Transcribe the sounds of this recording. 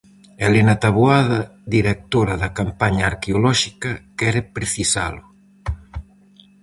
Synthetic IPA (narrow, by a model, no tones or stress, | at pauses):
elenat̪aβuaðad̪iɾek̚t̪oɾaðakampaɲaːɾkeolɔʃikɐkɛɾepɾeθisa̰lʊ